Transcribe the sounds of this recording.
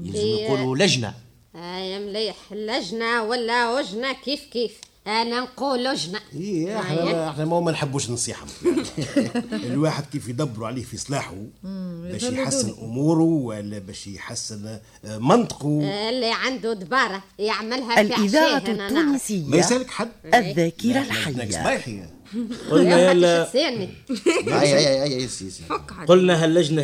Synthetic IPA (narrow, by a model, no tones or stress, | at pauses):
jə̰lzəmjuːlulæʒnæ̰ | jmliːħlːæʒnæwælːæwʊʒnækiːfkiːf | ʔænænquːlʊʒnæiʔaħnæəħnæmæwmænħəbːuːʃnnsˤiːħa̰m | lwaːħəd̪̚kiːfjd̪ˤɑbːɾuʕliːhfisˤlɑːħubɛːʃjħasːənʔʊmuːɾuwælːɛbɛːʃjħasːɪn | mɑnt̪ˤqulːiʕand̪ud̪bɑːɾˤɑjaʕmalɦæælɪðɑːɾɑːuːnisɪjːmæjsæləkħad̪ːæðːæːkiɾalħajnæːa̰bɑħi | qolnælæni | jajajʔjːsjæsiqolnæɦælːæʒna